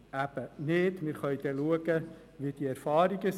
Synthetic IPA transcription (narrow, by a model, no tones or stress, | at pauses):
æb̥əneːtmɪːɾχœʏd̥̪ɛluəɡə | ʋid̥iɛɾfɑːɾiɡəs